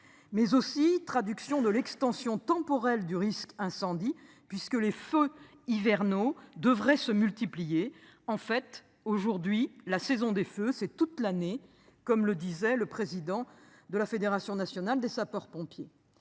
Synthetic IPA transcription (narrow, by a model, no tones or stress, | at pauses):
mɛzosit̪χad̪yksjɔ̃d̪əlɛkst̪ɑ̃sjɔ̃t̪ɑ̃pɔʁɛld̪yʁiskɛ̃sɑ̃d̪i | pɥiskəlefø | ivɛʁnod̪əvʁɛsəmylt̪iplijeɑ̃fɛt̪ | oʒuʁd̪ɥilasɛzɔ̃d̪eføsɛt̪ut̪lane | kɔmləd̪izɛləpχezid̪ɑ̃ | d̪əlafed̪eʁasjɔ̃nasjɔnald̪esapɔʁpɔ̃pje